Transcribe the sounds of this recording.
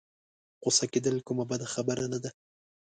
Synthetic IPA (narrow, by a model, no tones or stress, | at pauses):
qosaked̪əlkʊmabad̪axabəɾanad̪a